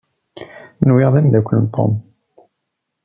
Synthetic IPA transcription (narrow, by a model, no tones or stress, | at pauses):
nwiʁðˤæmðækʷːənnt̪ʰˤːo̰m